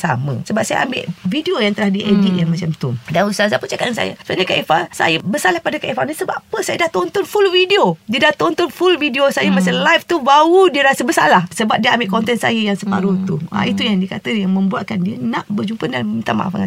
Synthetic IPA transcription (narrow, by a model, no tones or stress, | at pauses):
sa̰mə̰̃səbap̚saja̰ʔa̰mbḛʔvidiojaŋt̪əlahdiʔediʔ̪̚jaŋmat͡ʃamt̪umdanust̪azapunt͡ʃakat̪̚nsa̰ja̰saɲəkaʔifasa̰jəbəsalahpadakaʔifanisəba̰pəsajadaht̪ɔnt̪ɔnfulvidiodiədaht̪ɔnt̪ɔnfulvidiosajəmasalajft̪ubaudiəɾasəbəsa̰lahsəbap̚diəambɪʔkɔnt̪ɛnsa̰jəjaŋsəpaɾot̪ua̰it̪ujaŋdiəkat̪əjaŋmə̃mbuat̪̚kandiənaʔbərd͡ʒumpədanət̪ama̰ʔfa̰ŋa